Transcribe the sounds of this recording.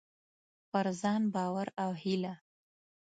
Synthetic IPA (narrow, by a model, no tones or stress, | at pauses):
paɾzɑnbɑwaɾawhila